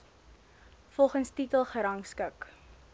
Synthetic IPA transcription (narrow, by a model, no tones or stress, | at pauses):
fɔlˠχənstitəlˠχəɾɐŋskək